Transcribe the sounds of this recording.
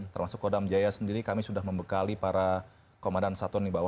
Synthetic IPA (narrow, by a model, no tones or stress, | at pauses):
t̪ərmasʊkːodamd͡ʒajasəndiɾikamisudahməmbəkalipaɾa | komandansat̪ɔndibawa